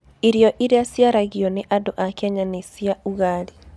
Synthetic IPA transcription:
iɾjɔʔiɾeasjaɾaɣjɔneʔadoʔakeaɲanesjauɣaɾi

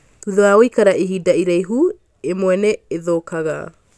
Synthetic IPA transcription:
tuðoaojkaɾaʔiɦidaʔiɾejɦu | emoeneːðoːkʰaɡa̰

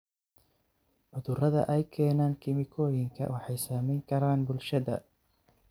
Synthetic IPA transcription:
ʔʊðʊrɐðɐ̰ʔɛjkʰɛːnaːnkʰɪmɪkʰɔːjɪŋkʰɐ̰wʔɑħɑjsaːmɛjŋkʰɐɾaːnbʊlʃɐðɐ̰

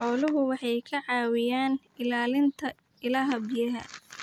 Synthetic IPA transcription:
ħɔːlʊɦʊwɑħɑjkʰɐʕɑːwɪjaːn | ɪlaːlɪnt̪ʰɐ | ɪlɐɦɐbɪjɐɦɐ̰

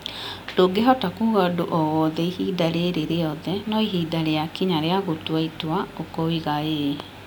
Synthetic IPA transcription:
toɡeɦɔtakuɣadoʔɔwɔðɛihiːdaɾeɾeɾeɔðɛnɔiɦidaɾeakiɲaɾeaɣotwaitwaokɔwiɣae

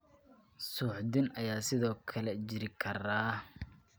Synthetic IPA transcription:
suːħd̪ɪnʔɐjaːsɪðɔːkʰɐlɛt͡ʃɪɾɪkʰɐraː

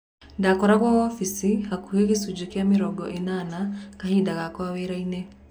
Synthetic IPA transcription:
ndakɔɾaɣaɔfisihakuhekesuɟukjamiɾɔɡɔ̰ʔenanakahiːndaɣakwaβeɾaine

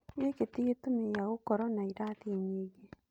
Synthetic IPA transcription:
eketiɣetumejaɣokɔɾɔnaiɾaðiɲeɣe

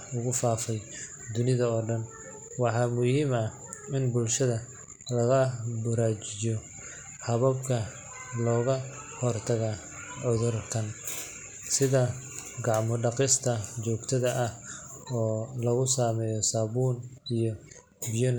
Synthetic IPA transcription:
ʊɣʊfaːfɛj | d̪ʊnɪðɐɔːɖɐn | wɑħɑːmʊhiːmɐ | ɪnbʊlʃɐðɐ | lɐɣɐbʊɾaːt͡ʃɪjɔ | hɐβɐbkʰɐ | lɔːɣɐ | hɔrt̪ʰɐɣa | ʕʊðʊrkʰɐn | sɪðɐ | ɡɑʕmʊɖɑqɪst̪ʰɐt͡ʃɔːɡt̪ʰɐðɐʔɐhɔːlɐɣʊsaːmɛːjɔsaːβuːnijɔ | bijʊn

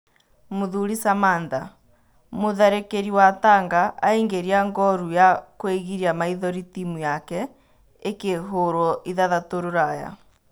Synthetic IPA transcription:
moðuɾisamanda | moðɛɾekeɾiwataːŋɡaʔːeŋɡeɾiaŋɡɔɾujakweɣiɾiamaiðɔɾitimujakɛ | ekeɦoɾɔiðaðatoɾoɾaja̰

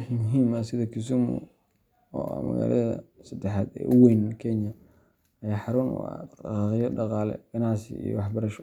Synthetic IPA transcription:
ħimʊɦiːmɐsɪðɐkʰɪs̬ʊmʊ̰ | ɔːa̰mɐ̰ɣa̰ːlʔɐðɐ̰sɐd̪ɛħaːd̪ɛ̰ːʔʊwejnkʰɛnjɐ | ɐjaːħɑɾuːnwɑ̰qɑqɪjɔɖɑqɑːlɛ̰ɡ̥ɐnɑʕsɪ̰ḭjɔ̰wɑħbɐɾɐʃɔ

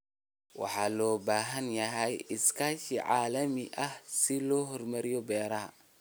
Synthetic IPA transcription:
wɑ̰ħɑːlɔːbaːɦɐnjɐɦɛjɪskʰaːʃiʕɑːlɐmɪʔɐhsɪlɔːɦɔrmɐɾɪjɔbɛːɾɐɦɐ̰

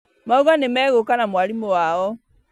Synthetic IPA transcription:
mauɣanemɛːɣokanamwalimowaɔ

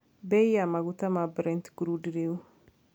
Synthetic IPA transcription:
bɛjjamaɡutamabɾɛ̃ntɡɾudɾeu

